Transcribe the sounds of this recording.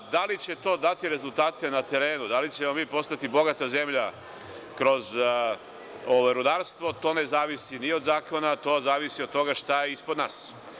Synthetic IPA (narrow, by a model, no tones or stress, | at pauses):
d̪alit͡ɕe̞t̪o̞ːd̪at̪iɾe̞zult̪aːt̪e̞nat̪eɾe̞ːnud̪alit͡ɕe̞mo̞miːpo̞st̪at̪ibo̞ɡat̪aze̞mʎa | kɾo̞z | oʋajɾud̪aɾst̪ʋo̞t̪o̞ːne̞zaːʋisinio̞d̪zaːko̞nat̪o̞ːzaːʋisio̥t̪ːo̞ɡaʃt̪ajeispod̪naːs